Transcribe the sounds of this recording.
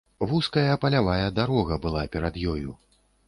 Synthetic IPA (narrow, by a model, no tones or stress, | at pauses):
vuskɐjɐpɐlʲavajɐd̪aɾɔɣɐbɨlˠapʲɛɾad̪jɔju